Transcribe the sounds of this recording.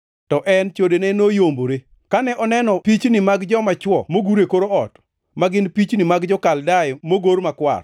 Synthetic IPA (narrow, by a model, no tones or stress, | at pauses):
tɔʔɛnt͡ʃodenɛnojomboɾe | kanɛʔɔnɛnɔpit͡ʃnɪmaɡd͡ʒɔmat͡ʃwɔmoɡuɾekoɾoɔt | maɡɪnpit͡ʃnɪmaɡd͡ʒɔkaldajmoɡoɾmakwa̰r